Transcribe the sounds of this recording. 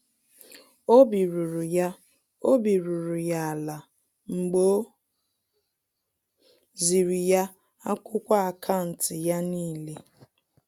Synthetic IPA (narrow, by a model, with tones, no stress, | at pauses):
o˦bi˨ɾu˨ɾu˨ja˦ | o˦bi˨ɾu˨ɾu˨ja˨a˨la˨ | ŋ͡m̩˨ɡ͡bo˦ | zi˨ɾi˨ja˦ | a˦kʷʊ˦kʷa˦a˨kʰa˦n̩˨tɪ˨ja˦niː˦˨le˦